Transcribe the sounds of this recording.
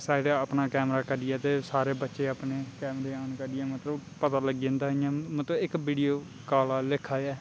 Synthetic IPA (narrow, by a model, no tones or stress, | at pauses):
saːɖeəpnaːkɛːmɾaːkəɾɪɛːt̪eːsaːɾeːbətːʃeːapneːkɛːmɾeːaːnkəɾɪãːmət̪ləbpət̪aːləɡ̃ːnd̪aːɪãːmət̪ləɪkʋiːɖijoː | kaːlaːlɪkʰːaːɛː